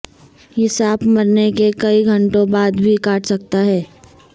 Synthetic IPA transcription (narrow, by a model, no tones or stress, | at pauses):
ɦɪsaːbmɐɾnekekɐiɡʱɐ̃ɳʈõbaːd̪bʱikaːʈsɐk̚t̪aɦɛː